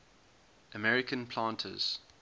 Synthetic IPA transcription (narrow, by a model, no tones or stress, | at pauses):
ʔəmɛɹɪkʰə̃npʰl̥ãːntʰə̰z̥